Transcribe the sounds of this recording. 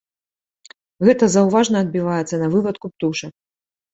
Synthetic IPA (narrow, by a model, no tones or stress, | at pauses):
ɣɛt̪ɐzɐwvaʐnɐːd̪̚bʲivajɛt̪sːɐnɐvɨpɐt̪kup̚t̪uʂɐ